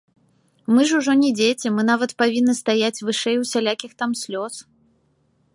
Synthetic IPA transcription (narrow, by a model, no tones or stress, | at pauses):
mɨʐuʐɔnʲɛd͡zʲet͡sʲɛmɨnavɐt̪pavʲinːɨst̪ajat͡sʲvɨʂɛjwsʲalʲakʲixt̪amsʲlʲɔs